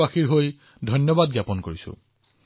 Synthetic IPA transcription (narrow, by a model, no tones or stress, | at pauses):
axiɹɦoj | dʱɔnjɔbad̚ɡjapɔnkoɹisʊ̰̃